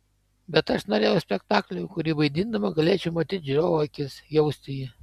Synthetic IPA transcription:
bʲɛt̪ɐʃnoɾʲeːjɛʊsʲpʲɛkt̪ɑːklʲʊjkʊɾʲiːʋɐɪd̪ʲind̪ɐmɐɡɐlʲeːt͡ʃʲɛʊmɐt̪ʲiːt̪̚ʲd͡ʒʲɾʲoːʋoɪkʲɪsjɛʊsʲt̪ʲɪjɪ

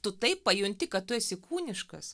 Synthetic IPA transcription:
t̪ʊt̪ɐɪppɐjʊnʲt̪ʲɪkɐt̪t̪ʊɛsʲɪkuːnʲɪʃkɐ̰s

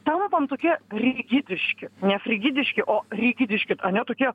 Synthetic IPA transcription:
t̪ɐmpɐnt̪oːkʲiɛrʲiɡʲɪd̪ʲɪʃʲkʲɪnʲɛfʲɾʲɪɡʲɪd̪ʲɪʃʲkʲɪʔoːrʲiɡʲɪd̪ʲɪʃʲkʲɪɐnʲɛt̪oːkʲiɛ

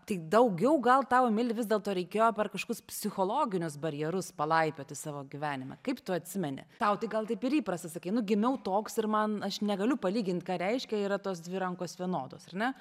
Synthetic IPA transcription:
t̪ɐɪd̪ɐʊɡʲɛʊɡɐlˠt̪ɑʊmʲɪlʲɪʋʲɪzdʲeɛlˠt̪oːɾʲɛɪkʲeːjoːpʲɛrkɐʃokʊspʲsʲɪxoːlˠoːɡʲɪnʲʊsbɐɾʲjɛɾʊspɐlˠɐɪpʲoːt̪ʲɪsɑːʋoːɡʲɪʋʲæːnʲɪmɐ̰kɐɪpt̪ʊɐt̪ʲsʲɪmʲɛnʲɪ̰t̪ɐʊt̪ɐɪɡɐlˠt̪ɐɪpɪɾiːpɾɐst̪ɐsɐkɐɪnʊɡʲɪmʲɛʊt̪oːksɪrmɐnɐʃnʲɛɡɐlʲʊpɐlʲiːɡʲɪnʲt̪ʲkɑːɾʲɛɪʃʲkʲɛiːɾɐt̪oːs̬d̪ʲʋʲɪɾɐŋkoːsʋʲiɛnoːd̪oːsɐrnʲɛ

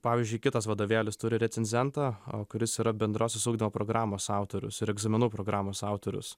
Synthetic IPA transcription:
pɑːʋʲiːzʲd͡ʒʲʊɪkʲɪt̪ɐsʋɐd̪oːʋʲæːlʲɪst̪ʊɾʲɪɾʲɛsʲɛnʲzʲɛnt̪ɑːo̰ːkʊɾʲɪsiːɾɐbʲɛnd̪ɾoːsʲɛsuːɡd̪ʲimoːpɾoːɡɾɑːmoːsɑˑʊt̪oːɾʲʊ̰sɪɾɛɡzɐmʲɪnuːpɾoːɡɾɑːmoːsɑˑʊt̪oːɾʲʊ̰s

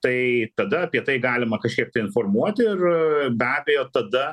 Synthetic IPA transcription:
t̪ɐɪt̪ɐd̪ɐɐpʲiɛt̪ɐɪɡɑːlʲɪmɐkɐʃʲkʲiɛk̚t̪ɐɪɪnformuɔt̪ʲɪrbʲæːbʲɛjoːt̪ɐd̪ɐ

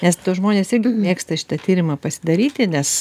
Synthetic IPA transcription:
nʲɛst̪uːʒmoːnʲeːsɪɾʲɡʲɪmʲeːkst̪ɐʃʲɪ̥t̪ɐt̪ʲiːɾʲɪmɐpɐsʲɪd̪ɐɾʲiːt̪ʲɪnʲɛs

